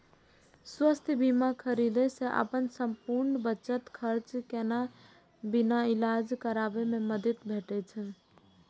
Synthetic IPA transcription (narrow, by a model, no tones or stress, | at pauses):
swəst̪ʰbimakʰəɾid̪ɛseʔə̰pənsəmpuɾnbəːt͡ʃət̪kʰəɾt͡ʃkena | binailad͡ʒkəɾabememəd̪it̪bʱeʈɛt͡ʃʰə